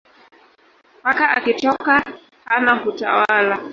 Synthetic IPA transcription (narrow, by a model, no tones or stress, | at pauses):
pakaʔakitɔka | hanakuta̰wala